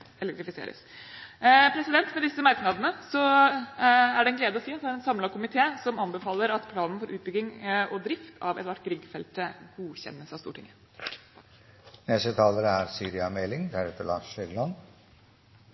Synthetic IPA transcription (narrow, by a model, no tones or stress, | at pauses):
ɛlɛkt̪ɾɪfɪsḛːɾə̰s | pʰɾɛsɪd̪ɛnt̪mɛd̪ɪsːəmɑɾknɑd̪ənəsɔ | æɖɛnɡleːd̪əɔsiːɑt̪d̪æɾɛnsɑmlɑɡ̚kʰʊmɪt̪ʰeːsɔmɑnbəfɑːlːəɾɑt̪pʰlɑːnn̩fɔɾʔʉ̰ːt̪̚bʏɡːɪŋʔɔd̪ɾɪft̪ʰɑʋɛt̪ʋæʈːɡɾɪɡfɛlt̪əɡuçɛ̰nːəsɑst̪ṵːʈʰɪŋə | nɛsət̪ʰɑːləɾəæɾsyːɾɪɑmɛlɪŋd̪æɾɛt̪əlɑ̰ːʂœɡlɑn